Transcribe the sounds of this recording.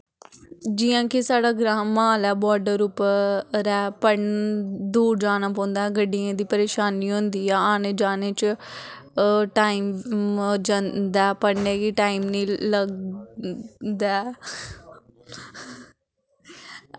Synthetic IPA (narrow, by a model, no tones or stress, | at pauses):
d͡ʒɪjãːkɪsaːɖaːɡɾaːmːaːlɛːbɔːɾɖəɾʊpːɾɛːpəɽnd̪uːɾd͡ʒaːnaːpɔ̃ːnd̪aːɡəɖiãːd̪iːpəɾeːʃaːniːɦõnd̪iːɛːaːneːd͡ʒaːneːt͡ʃ | ʈaːim | d͡ʒãnd̪ɛːpəɽneːiʈaːimniːləɡ | d̪ɛː